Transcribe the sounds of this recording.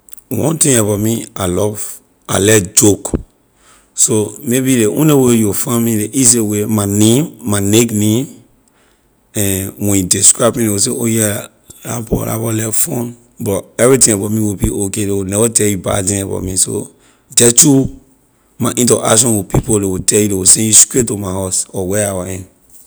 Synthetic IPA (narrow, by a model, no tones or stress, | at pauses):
wɔ̰̃ntĩŋabamialɔv | alɛd͡ʒok | somebileʔṵ̃nlewejɔfãmĩleʔis̬ewemanẽmːaneknẽm | ɛ̃nwɛ̃njudiskɹaɪbmĩdewis̬eʔojɛ | la̰bɔ̰la̰bɔlɛvfɔ̃n | bɔtɛvɹitĩŋabatmĩwibiʔokedewunɛvatɛjuba̰tĩŋaba̰tmĩso̰ | d͡ʒɛtu | maʔĩntɔʔa̰kʃɔ̃nwipipolewutʰɛjudewosɛ̃juskɹetomaɦasɔwɛawaɛ̃n